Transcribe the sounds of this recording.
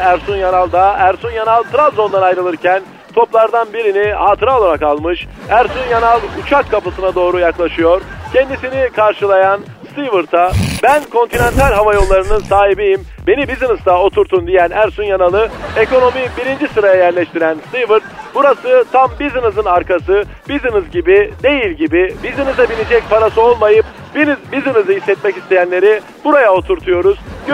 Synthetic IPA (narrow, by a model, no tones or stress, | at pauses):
æɾsunjanalˠd̪aæɾsunjanalˠt̪ɾazo̞nd̪anajɾɯlˠɯɾcʰæn | t̪ʰo̞plˠaɾd̪anbiɾinihaːt̪ʰɯɾalˠanakʰalˠmɯʃæɾsunjanalˠut͡ʃʰakʰːapɯsɯnad̪o̞ːɾujaklˠaʃɯjo̞ɾcʰend̪isinikʰaɾʃɯlˠajan | st̪ʰivɯɾt̪ʰabænkʰo̞nt̪ʰinent̪ʰalʲɦavajo̞lˠːaɾɯnɯnsaːɦibijim | be̞nibizinɯzd̪ao̞t̪ʰuɾt̪ʰund̪ijænæɾsunjanalˠɯeko̞no̞mibiɾind͡ʒisɯɾajajæɾlʲɛʃt̪ʰiɾænst̪ivɯɾt̪̚b̥uɾasɯt̪ʰambizɯnɯzɯnaɾkʰasɯ | b̥izɯnɯzɟibid̪e̞jilʲɟibibizinɯzd̪abilʲid͡ʒɛc̚pʰaɾasɯo̞lˠmajɯp̚ | binzbizinɯzɯɦisːɛt̪̚mɛcist̪ʰe̞jænlʲe̞ɾi | b̥uɾajao̞t̪ʰuɾt̪ʰujo̞ɾuz